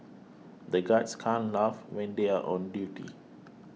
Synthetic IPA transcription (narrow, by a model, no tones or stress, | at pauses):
dəɡatskʰãnlavwɛ̃ndeaʔɔ̰̃ndjutḭ